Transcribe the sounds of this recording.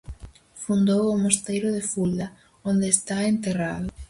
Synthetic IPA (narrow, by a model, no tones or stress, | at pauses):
fund̪owʊmost̪ejɾʊðefulɐ | ond̪eːst̪aent̪eraðʊ